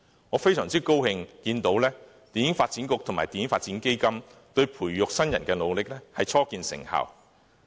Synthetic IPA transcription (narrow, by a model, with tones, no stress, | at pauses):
ŋɔː˨˧fe˥jsœː˨˩ŋt͡siː˥ko˥whɪ˧ŋkiː˧nt̪o˨˥wlɛː˥ | t̪iː˨˧njɪ˨˥ŋfaː˧t̚t͡siː˨˥nkʊ˨˧k̚t̪ʰʊ˨˩ŋmaː˨˩t̪iː˨njɪ˥ŋfaː˧t̚t͡siː˨˥nke˥jkɐ˥mt̪ɵ˧ɥpʰuː˨˩jːʊ˨k̚sɐ˥njɐ˨˩nkɛː˧lo˨˧wlɪ˨k̚lɛː˥hɐ˨jt͡sʰɔː˥kiː˧nsɪ̰˨˩ŋha̰˨w